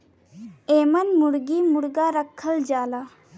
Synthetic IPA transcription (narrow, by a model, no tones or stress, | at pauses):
eːmənmuɽɡiːmuɽɡaɾəkʰːəld͡ʒaːla